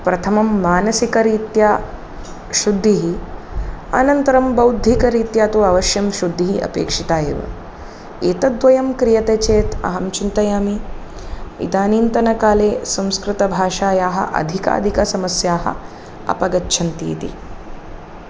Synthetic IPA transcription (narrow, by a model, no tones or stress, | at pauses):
pɾɐt̪ʰɐmɐmːaːnɐsikɐɾiːt̪jaː | ʃud̪ʱːiɦi | ɐ̰nɐnt̪ɐɾɐmbɐwd̪ʱikɐɾiːt̪jaːt̪uːɐʋɐʃjɐmʃud̪ʱːiɦiʔɐ̰pḛːkʂit̪aːjeːʋɐ̰ | eːt̪ɐd̪ʋɐjɐmkɾijɐt̪eːt͡ʃeːt̪ɐ̰ɦɐmt͡ʃint̪ɐjaːmi | ḭd̪aːniːnt̪ɐnɐkaːleːsɐ̃w̃skɾɪt̪ɐbʱaːʃaːjaːɦɐ̰ʔɐ̰d̪ʱika̰ːd̪ʱikɐsɐmɐsjaːɦɐ̰ | ɐ̰pɐɡɐtːʃʰɐnt̪ḭːt̪ḭ